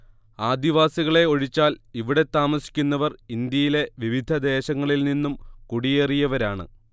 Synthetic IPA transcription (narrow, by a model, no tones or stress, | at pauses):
aːd̪iʋaːsiɣɐɭe̞o̞ɻit͡ɕːaːliʋiɽe̞t̪ːaːmɐsi̥kʲːunːɐʋɐrind̪jɐjile̞ʋiʋid̪ʱɐd̪e̞ːɕɐŋːɐɭilninːumkuɽijerijɐʋɐɾaːɳɨ̰